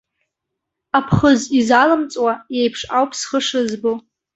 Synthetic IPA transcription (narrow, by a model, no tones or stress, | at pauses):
apʰχəzizalɨmt͡sʼwajejpʰʂawpʼʰsχəʂɨzbɨ